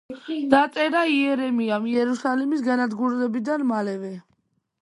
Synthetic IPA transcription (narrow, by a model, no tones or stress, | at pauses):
d̪̥at̪sʼɛɾaiɛɾɛmiamiɛɾusalɛmisɡanad̪ɡuɾɛd̪ɛbid̪anmalɛvɛ